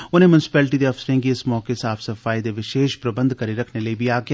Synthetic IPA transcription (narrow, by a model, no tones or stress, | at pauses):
ʊnẽmʊnɪsɪ̥pɛːlʈid̪eɐfsɾẽŋkiɪsmɔːkesaːfsɐfaːjid̪eʋɪʃeːʃpɾɐbə̃nd̪kɐɾiɾɐkʰnelɐibʱiaːɡja